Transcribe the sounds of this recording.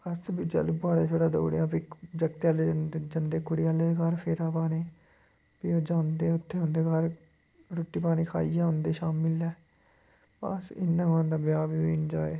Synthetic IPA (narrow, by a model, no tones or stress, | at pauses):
əsbiːd͡ʒə̰lbaːɽaːt͡ʃʰoːʈaːd̪o̰ːɽḛjãːpiːd͡ʒəkt̪aːled͡ʒənd̪eːkʊɽɪaːleːd̪ekaɾpʰɪɾaːpaːneː | piːoːd͡ʒãːnd̪eːʊt̪ʰːeːʊ̃nd̪eːkaːɾ | ɾoːʈːiːpaːñiːkʰa̰ːiːjãːɦʊ̃nd̪eːʃaːmɪlɛː | pa̰sɪ̰nːãːkãːnd̪aːbjaːbiːʋiːnd͡ʒaːeː